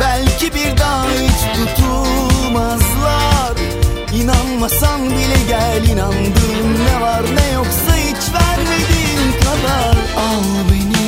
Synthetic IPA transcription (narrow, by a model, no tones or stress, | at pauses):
bælʲcʰibiɾd̪aɦit͡ʃt̪ʰut̪ʰulˠmazlˠaɾ | inanmasanbilʲɛɟælʲinand̪ɯːmnɛvaɾnɛjoksahit͡ʃvæɾme̞d̪iːnkʰad̪aɾ | al | beni